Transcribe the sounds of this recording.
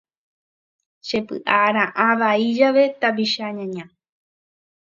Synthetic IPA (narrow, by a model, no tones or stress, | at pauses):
ʃe̞pɨ̰ʔaɾãʔãʋaid͡ʒaʋe̞t̪abiʃaɲãɲã